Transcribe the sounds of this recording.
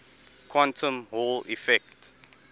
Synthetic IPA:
kʰwãntʰə̃mholifɛkt

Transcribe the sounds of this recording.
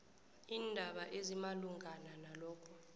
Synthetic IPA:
iːndʱaɓaʔezimaluŋɡʱananalɔːkʰɔ

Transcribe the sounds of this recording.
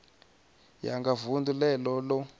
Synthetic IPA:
ja̰ŋɡavundulɛlɔlɔ

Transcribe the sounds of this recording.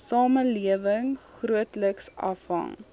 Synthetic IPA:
sɑːməliəvəŋχruətləksʔɐ̰fɦɐ̰ŋ

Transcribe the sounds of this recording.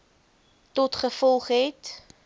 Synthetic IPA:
tɔtχəfɔlˠχɦɛt

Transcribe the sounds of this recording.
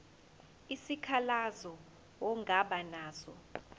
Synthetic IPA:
isikʰalazɔ | wɔŋʱaɓanaːzɔ

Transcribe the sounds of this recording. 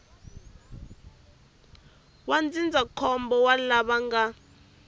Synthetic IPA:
wand͡zʱind͡zʱakʰɔmbɔwalaɓaŋɡa

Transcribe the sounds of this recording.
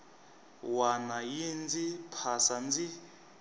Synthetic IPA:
wanajind͡zipʰasand͡zi

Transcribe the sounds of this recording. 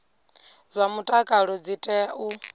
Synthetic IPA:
zʷamutʼakʼaɺɔd͡zitʼɛu

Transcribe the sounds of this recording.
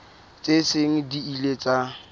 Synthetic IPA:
t͡sʼesɪŋ̩diilet͡sʼa

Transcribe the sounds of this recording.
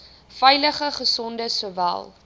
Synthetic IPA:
fɛjləχəχəsɔndəsuvæ̰lˠ

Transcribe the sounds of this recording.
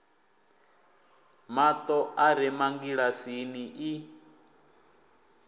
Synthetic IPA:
mat̪ʼɔʔaɾɛmaŋɡiɺasiniʔi

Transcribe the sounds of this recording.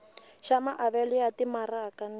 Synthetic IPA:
ʃamaʔaβɛlɪatimaɾaːkan

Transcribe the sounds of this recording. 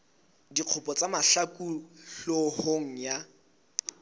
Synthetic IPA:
diq͡χʰʊpʼɔt͡sʼamaɬakʼuɬohoŋ̩ja

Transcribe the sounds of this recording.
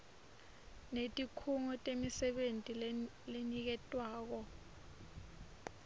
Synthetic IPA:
netʼikʰuŋɔtʼemisɛɓentʼi | lenik̬ɛtʼwaːk̬ɔ

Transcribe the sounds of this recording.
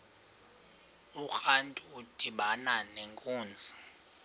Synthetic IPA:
uxantʼuːd̥ʱiɓananeŋkʼuːnd͡zʱi

